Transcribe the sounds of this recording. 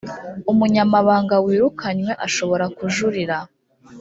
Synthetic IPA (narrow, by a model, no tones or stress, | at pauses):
umuɲamaβaːŋɡawiːɾukʰaɲwe̞ʔaʃo̞βo̞ɾakuʒuɾiɾa